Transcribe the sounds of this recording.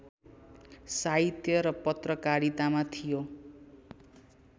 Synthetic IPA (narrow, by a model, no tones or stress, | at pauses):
saɦit̪ʰjʌɾʌpʌt̪rʌkaɾit̪amat̪ʰijo